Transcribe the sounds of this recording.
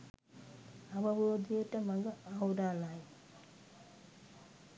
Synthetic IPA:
ɐʋɐʋoːd̪ijɐʈɐmɐɡɐawɾaːlaːj

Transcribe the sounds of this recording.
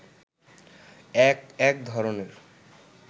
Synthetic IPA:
kɛk̚d̪ʱɔɾoneɾ

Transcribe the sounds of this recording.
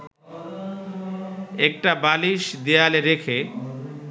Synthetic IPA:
ɛk̚ʈabaliʃd̪ealeɾekʰe

